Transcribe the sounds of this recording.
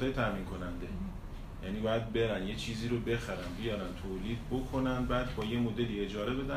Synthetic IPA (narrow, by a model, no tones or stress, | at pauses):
ɒːjet̪ʰæmiːnkʰo̞nænd̪e | jæniːbɒːjæd̪̚be̞ɾænje̞t͡ʃʰiːziːɾobe̞xæɾænbijɒːɾænt̪ʰoːliːd̪̚bokʰo̞nænd̪bæːd̪bɒːje̞mod̪e̞liːe̞d͡ʒɒːɾe̞be̞d̪æ